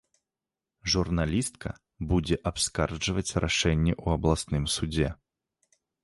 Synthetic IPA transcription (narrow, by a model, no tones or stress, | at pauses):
ʐurnalʲist̪̚kʰɐ | bud͡zʲɛʔapskard͡ʐɨvɐt͡sʲrʔaʂɛnʲːɛʔuɐblˠasnɨmsud͡zʲɛ